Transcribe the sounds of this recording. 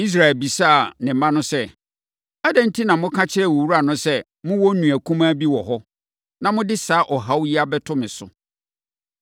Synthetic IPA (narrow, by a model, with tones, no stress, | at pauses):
i˦s̬ɾa˨ɛ˨lbi˨saː˦˨nɪ̃˨m̩˦mã˦nʊ̃˦sɛ˦˨ | a˦dɛ̃˦n̩˦tʰi˦nã˨mʊ̃˦kʰã˦t͡ɕʰɪ˦ɾɛ˦˨wɔ˨wu˦ɾa˨nʊ̃˦sɛ˦ | mʊ̃˦wɔ˦n˦nũ˨æ˨kʰũ˦mã˦bi˦wɔ˨ɦɔ˦ | nã˨mʊ̃˦dɪ˦saː˨˦ʔɔ˨ɦa˦wji˦a˦bɛ˦tʰʊ˦mɪ̃˨sʊ̰˨